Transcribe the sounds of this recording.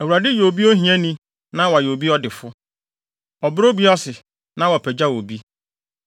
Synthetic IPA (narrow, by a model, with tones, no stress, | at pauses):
æ˨wu˨ɾa˨dɪ˦jo˨bi˦ɔ˦ɦĩ˨ɛ̃˦nĩ˦ | nã˦wa˨jo˨bi˦ɔ˦dɪ˨fʊ˦ | ɔ˨bɾo˦bi˦ɔ˦sɪ˨ | nã˦wɔ˨pʰɛ˨d͡ʑa˦wo˨bi˦